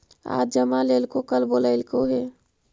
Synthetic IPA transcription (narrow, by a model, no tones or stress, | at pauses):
a̰d͡ʒəmalelkokəlboləɪlkoɦe